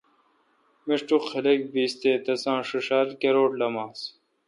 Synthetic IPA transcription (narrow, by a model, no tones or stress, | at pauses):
miʂʈuqxɐlek̚biːst̪eːt̪ɐsãːʂuʂalkeɾoːʈlɐmaːs